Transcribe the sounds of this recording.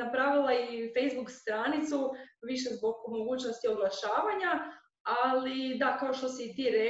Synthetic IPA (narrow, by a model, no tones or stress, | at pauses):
apɾaːʋilˠaife̞jzbukst̪ɾaːnit̪suʋiʃe̞zbo̞ɡmo̞ɡuːt͡ɕnost̪io̞blˠaʃaːʋaɲa | alid̪akaoʃt̪o̞sit̪iɾe